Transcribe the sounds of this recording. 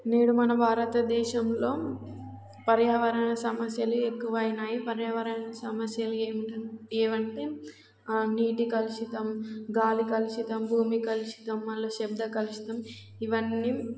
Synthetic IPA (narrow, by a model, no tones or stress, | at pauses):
ne̞ːɽumɐnɐbʱaːɾɐt̪ɐd̪ɛːʃɐmlo̞ː | pɐɾjaːʋɐɾɐɳɐsɐmɐsjɐluekːuʋɐjinaːjipɐɾjaːʋɐɾɐɐnɐsɐmɐsjɐlueːmiʈɐeːʋɐɳʈe | niːʈikɐluʃit̪ɐmɡaːlikɐliʃit̪ɐmbʱuːmikɐliʃi̥t̪ɐmːɐlːɐʃɛbd̪ɐkɐliʃi̥t̪ɐm | iʋɐnːi